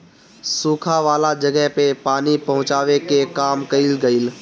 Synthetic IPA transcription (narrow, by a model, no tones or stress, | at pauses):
sũːkʰaʋaːlad͡ʒɐɡɛɦpepaːnipɐɦʊ̃t͡ʃaːʋekekaːmkɐilɡɐil